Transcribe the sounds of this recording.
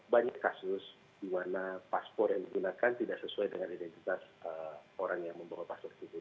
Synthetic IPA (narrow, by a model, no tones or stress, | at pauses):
baɲakːasʊs | d̥imanapaspɔrjaŋdiɡunakant̪idaʔsəsuajdəŋanidɛnt̪it̪asəoɾaŋjaŋməmbawapaspɔrsitu